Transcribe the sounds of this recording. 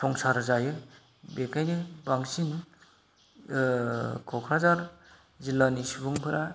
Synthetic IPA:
sʰɔŋsaɾzajɯ | bekʰajnibaŋsin | kʰɔkʰɾazaɾ | zilːanisibɯŋpʰɯɾʔa

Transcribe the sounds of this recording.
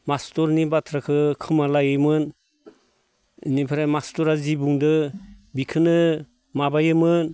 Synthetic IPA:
mastɔɾnibatʰɾakʰɯkʰɯmalajɯjmɯn | ḭnipʰaɾamastɔɾazibuŋdɯbikʰɯnɯ | mabajɯmɯn

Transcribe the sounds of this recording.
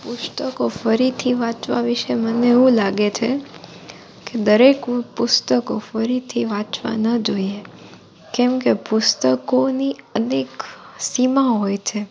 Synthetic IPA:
pʊst̪əkofəɾit̪ʰiʋãt͡ʃʋa̰ʋɪʃeməneːũlaɡet͡ʃʰe | ked̪əɾekpʊst̪əkofəɾit̪ʰiʋãt͡ʃʋa̰nəd͡ʒoie | kɛmkepʊst̪əkoniəneksimãɦojt͡ʃʰe

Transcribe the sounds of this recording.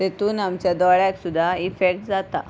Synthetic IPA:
t̪et̪uːnamt͡ɕjad̪ɔɭjaksud̪ʱːaifek̚ʈd͡zat̪a̰

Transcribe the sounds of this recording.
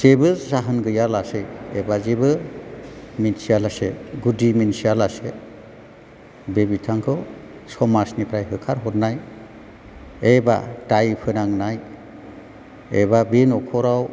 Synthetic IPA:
z̥ebɯzaɦɯnɡɯjalasɯjḛbazebɯ | minsialaseɡudiminsialase | bebitʰaŋkʰɯwsɔmasnipʰɾajɦɯkʰaɾɦɔt̚naj | eba̰tajpʰɯnaŋnaj | ebabenɔkʰɔɾaw

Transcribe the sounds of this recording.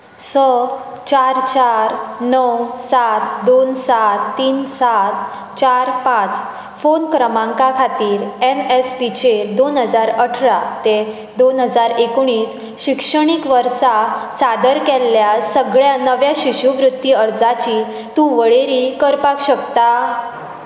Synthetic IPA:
sə | t͡ɕaɾt͡ɕaɾnəwsat̪d̪onsat̪ːiːnsat̪ | t͡ɕaɾpãt͡s | fonkɾəmãŋkakʰat̪iːɾenespit͡ɕed̪onɦəd͡zaɾəʈʰɾat̪e | d̪onɦəd͡zaɾekoɽ̃iːs | ɕikʂəɽ̃ikʋəɾsasad̪əɾkɛlːjasəɡɭjanəʋjaɕiɕuʋɾut̪ːiəɾd͡zat͡ɕi | t̪ũʋəɭeɾiːkəɾpakɕəkt̪a

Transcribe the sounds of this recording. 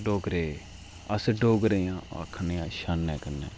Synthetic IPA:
ɖoːɡɾeː | əsɖoːɡɾeːjãːa̰kʰːəneãːʃanːɛːkənɛ̰̃ː

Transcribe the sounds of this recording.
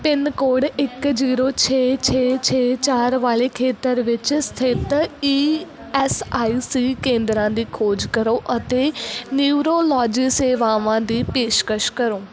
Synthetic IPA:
pɪnkoːɽɪkd͡ʒiːɾoːt͡ʃʰeːt͡ʃʰeːt͡ʃʰeːt͡ʃaːɾʋaːleːkʰeːt̪əɾʋɪt͡ʃst̪ʰɪt̪iː | ɛsaːiːsiːkẽːnd̪ɾãːd̪iːkʰoːd͡ʒkəɾoːʔət̪eːniuɾoːlɔːd͡ʒiːseːʋaːʋãːd̪iːpeːʃkəʃkəɾoː

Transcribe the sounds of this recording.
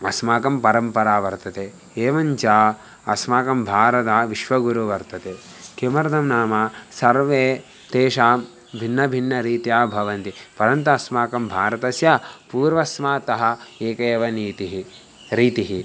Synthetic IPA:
ɐsmaːkɐmpɐɾɐmpɐɾaːʋɐɾt̪ɐt̪eː | eːʋɐɲt͡ʃaː | ɐ̰smaːkɐmbʱaːɾɐt̪aːʋiʃʋɐɡuɾuʋɐɾt̪ɐt̪eː | kemɐɾɐd̪ʱɐmnaːmasɐɾʋeː | t̪eːʃaːm | bʱinːɐbʱinːɐɾiːt̪ijaːbʱɐʋɐnt̪ipɐɾɐnt̪uɐsmaːkɐmbʱaːɾɐt̪ɐsjapuːɾʋɐsmaːt̪ɐɦɐ̆eːkɐjɐʋɐniːt̪iɦi | ɾiːt̪iɦi

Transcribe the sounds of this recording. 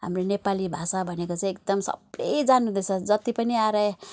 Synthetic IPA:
ɦa̰mronepalibʱasabʱʌnekot͡sãj̃ek̚d̪ʌmsʌ̰blejd͡zanuɦũd̪ʌt͡sʰʌd͡zʌt̪ipʌniaɾʌj

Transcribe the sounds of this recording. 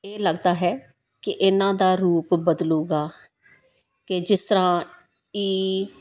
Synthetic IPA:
eːləɡd̪aːɦɛː | kɪʔɪnãːd̪aːɾuːpbəd̪luːɡaː | kɪd͡ʒɪst̪əɾãː | iː

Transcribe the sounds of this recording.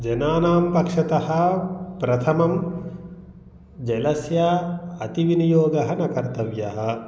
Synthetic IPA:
d͡ʒɐnaːnaːmpɐkʂɐt̪ɐɦɐ̆pɾɐt̪ʰɐmɐm | d͡ʒɐlɐsjaːɐt̪iʋinijoːɡɐɦɐnɐkɐɾt̪ɐʋjɐɦɐ̆

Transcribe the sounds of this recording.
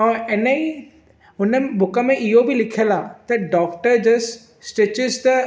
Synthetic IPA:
ãɛnəi | ʊnəbʱʊkəmẽʔɪɦobʱilɪkʰiəlat̪ɐɖɔːkʈəɾd͡ʑɐsː | ʈeːt͡ɕɪzt̪ɐ

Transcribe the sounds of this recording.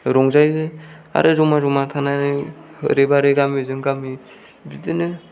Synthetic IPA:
ɾɔŋzajzɯa̰ɾʔɯzɔmazɔmat̪ʰananɯɯ̰ɾebaɾɯɡamizɯŋɡami | bidɯnɯ

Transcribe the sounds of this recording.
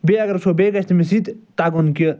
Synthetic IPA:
beɐɡɐɾsobeːɡɐsʰt̪imisid̪t̪aɡonki

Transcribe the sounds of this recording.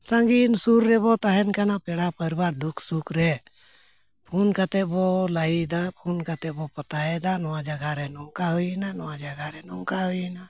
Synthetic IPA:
sə̃ŋɡinsuɾːɛbɔt̪aɦɛnkanapɛɽapəɾibaːɾd̪ukʰsukʰɾɛ | pʰunkat̪ɛbɔlaid̪apʰunkat̪ɛbopət̪aɛd̪anɔwad͡ʒəɡaɾɛnɔŋkaɦuinanɔwad͡ʒaɡaɾɛnɔŋkaɦujna

